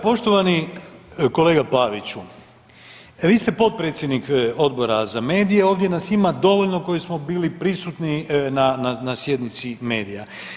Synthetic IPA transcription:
po̞ʃt̪oʋani | ko̞le̞ːɡapaʋit͡ɕu | ʋiːst̪epo̞t̪̚pɾet̪sjed̪niko̞d̪̚bo̞ɾazame̞ːd̪ijeo̞ːʋd̪jenasimad̪o̞ʋoʎno̞ko̞jismo̞biːlipɾisut̪ninananasjed̪nit̪sime̞̰ːd̪ija

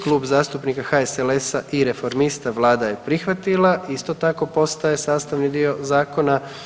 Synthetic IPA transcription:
klˠuːbzaːst̪upnikaxaeselesaʔiɾe̞fo̞ɾmist̪aʋlˠaːd̪aje̞pɾixʋat̪ilaʔist̪o̞t̪ako̞po̞st̪aje̞saːst̪aʋnid̪io̞zaːko̞na

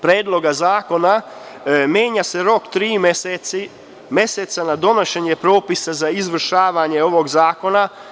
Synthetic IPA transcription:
pɾeːd̪lo̞ɡazaːko̞na | mjeːɲase̞ɾo̞kt̪ɾiːmesei | mje̞set̪sanad̪o̞noʃeɲe̞pɾo̞ːpisazaizʋr̩ʃaːʋaɲe̞o̞ʋo̞ɡzaːko̞na

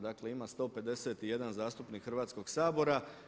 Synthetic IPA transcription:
d̪akle̞imast̪o̞ːpe̞d̪eset̪ije̞d̪anzaːst̪upnikxr̩ʋaːt̪sko̞ɡ̥saːbo̞ɾa

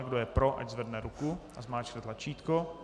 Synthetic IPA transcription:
ɡdojɛpɾoʔa̰ɟzvɛdnɛɾukuʔazmaːt͡ʃnɛt̪lat͡ʃiːt̪ko

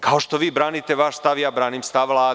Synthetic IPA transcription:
kaɦɔʃt̪ɔʋibɾaːnit̪ɛʋaːʃst̪aʋjabɾaːnimst̪aʋlaː

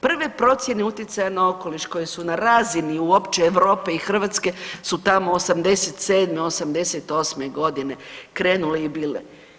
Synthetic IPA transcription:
pr̩ʋe̞pɾo̞t̪sje̞ne̞ut̪jet̪sajanao̞ko̞liʃko̞jesunaɾaziniuo̞pt͡ʃeːʋɾo̞ːpeixr̩ʋat̪ske̞sut̪amo̞ːsamd̪e̞set̪se̞ːd̪meo̞samd̪e̞set̪o̞ːsme̞ɡo̞d̪ine̞kɾe̞ːnule̞ibiːlḛ

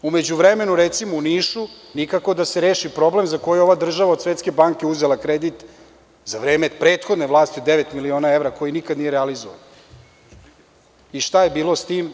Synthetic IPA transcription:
ume̞d͡ʑuʋɾeme̞nuɾet̪simouniːʃunikako̞d̪aseɾeːʃipɾo̞ble̞mzakojɛo̞ʋad̪r̩ʒaʋaod̪sʋet̪ske̞baŋke̞uzelakɾed̪it̪ | zaʋɾe̞ːmepɾeːt̪xo̞d̪neʋlˠaːst̪iod̪eʋet̪milio̞ːnae̞ʋɾako̞jinikad̪nijeɾealizo̰ʋa̰n | iʃt̪aje̞biːlo̞st̪iːm

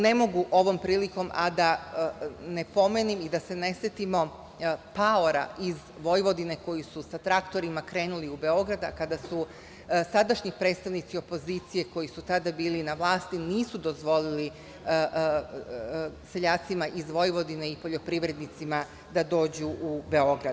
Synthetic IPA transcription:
ne̞mo̞ɡuʔo̞ʋo̞mpɾiːliko̞mʔad̪a | ne̞po̞me̞nimid̪ase̞ne̞sjet̪imo̞ | paoɾa̰iz | ʋo̞jʋo̞d̪ine̞ko̞jisusat̪ɾakt̪o̞ɾimakɾe̞ːnuliube̞o̞ɡɾad̪akad̪asu | sad̪aʃɲipɾe̞ːt̪st̪aʋnit̪sio̞po̞ziːt̪sije̞ko̞jisut̪ad̪abiːlinaʋlˠaːst̪iniːsud̪o̞zʋo̞lili | se̞ʎaːt̪simaʔizʋo̞jʋo̞d̪ine̞ipo̞ʎo̞pɾiʋɾe̞d̪nit̪sima | d̪ad̪o̞ːd͡ʑuʔubeo̞ɡɾa

